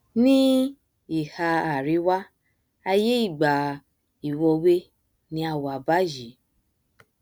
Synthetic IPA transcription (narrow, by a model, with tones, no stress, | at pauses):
nĩ˦ | i˨ha˧a˨ɾi˨˦wa˦ | a˧je˦i˦˨ɡ͡ba˨ | i˨wɔ˧we˦ | nĩ˧˦a˧˨wa˨ba˦ʒi˨˦